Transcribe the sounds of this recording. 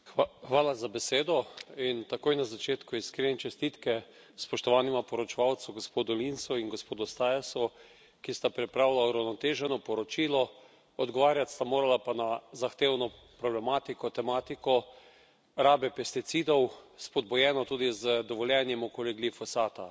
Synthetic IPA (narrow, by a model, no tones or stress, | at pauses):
xxʋaːlazabɛseːd̪ɔint̪akoːjnazat͡ʃeːt̪kʊɛskɾenɛt͡ʃɛst̪iːt̪kɛ | spɔʃt̪ɔʋanimapɔɾɔt͡ʃɛʋawt̪suɡospoːd̪ɔlinsɔiŋɡospoːd̪ɔst̪aːjɛsɔ | kist̪apɾipɾaːwlauɾawnɔt̪eːʒɛnɔpɔɾɔt͡ʃiːlɔ | ɔd̪ɡɔʋaːɾjat̪st̪amoːɾalapanazaxt̪eːwnɔ | pɾɔblɛmat̪ikɔt̪ɛmaːt̪ikɔ | ɾaːbɛpɛst̪it̪sid̪ɔwspɔd̪̚bɔjɛːnɔt̪uːd̪izəd̪ɔʋɔljɛnjɛmɔkɔlɛɡlifɔsaːt̪a